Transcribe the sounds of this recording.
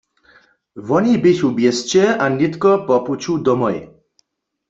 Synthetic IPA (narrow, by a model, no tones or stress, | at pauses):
ʋɔnibɪʃubjest͡ɕɛanit̪kɔpɔput͡ɕʰud̪ɔmɔj